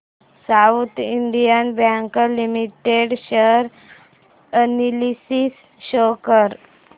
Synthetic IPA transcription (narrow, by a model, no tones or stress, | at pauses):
saut̪iɳɖ̪ijənbjaŋkəlimiʈeɽɕəɾ | ənilisis | ɕokəɾ